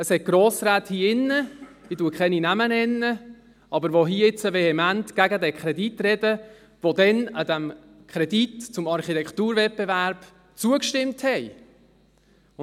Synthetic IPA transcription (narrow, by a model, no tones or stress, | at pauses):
əshɛt̚ɡ̥ɾoːsɾæːthiːɪnːə | d̥ituəkχɛninæmənɛnːə | ɑbəɾʋoɦiːɪt͡səvɛhɛmæntɡ̥æɡədɛkχɾɛditɾɛd̥ə | ʋod̪ɛnəd̪æm | kʰχɾɛditt͡sʊmɑɾχitɛktuːɾvɛt̚b̥evæɾb̥ | t͡suəkʃtɪmthɛɪ